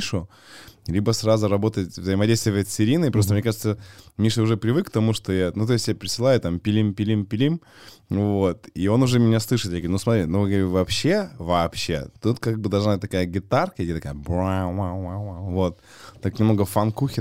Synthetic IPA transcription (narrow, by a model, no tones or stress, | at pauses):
ʂʊ | lʲibəsrazʊɾɐbo̞t̪ətʲvzəɪmɐdʲejst̪vʲɪvəsɨɾʲinɨɪpɾost̪əmnʲɲʲekaʐɨt̪səmʲiʂɨʊʐɛpɾʲɪvɨkːt̪ɐmuʂt̪o̞janut̪oɪsʲtʲːjapʲɪɾʲɪsɨlˠajʊt̪ampʲɪlʲimpʲɪlʲimpʲɪlʲim | vo̞t̪io̞nʊʐɛmʲɪnʲaslˠɨʂɨt̪jʲaɡʲnusmɐt̪ɾʲinovɨɡɾʲvɐpɕːe̞vɐːpɕːe̞̰t̪ut̪kaɡ̚bɨd̪ɐlˠʐnabɨtʲt̪ɐkajəɡʲɪt̪arkəjdʲet̪ɐkajəbɾawawwawawvot̪̚ | t̪ːaknʲɪmnoɡəfankuxʲɪ